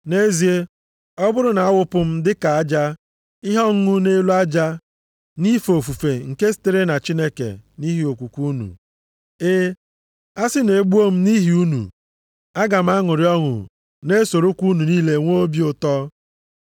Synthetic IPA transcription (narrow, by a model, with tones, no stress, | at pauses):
ne˦zi˨e˦ | ɔ˦bʊ˦ɾʊ˦na˨a˦wʊ˦pʊ˦m̩˦dɪ˦ka˨a˦d͡ʒa˦ | ɪ˦ɦɔ˦ŋ̩˦ŋʊ˦ne˦lu˦a˦d͡ʒa˦ | ni˦fo˨fu˨fe˨ŋ̩˨ke˦si̥˦te˦ɾe˦na˨t͡ʃi˦ne˦kḛ˨ni˦ɦi˨˦o˨kʷu˨kʷu˦nṵ˨ | e˦ | a˦sɪ˦ne˨ɡ͡bu˦o˦m̩˦ni˦ɦi˨u˦nṵ˨ | a˦ɡa˨m̩˦a˦ŋʊ˨ɾɪ˦ɔ˦ŋʊ̰˨ | ne˦so˨ɾo˦kʷu˦nu˨niː˦le˨ŋʷo˦bi˦ʊ˨tɔ˦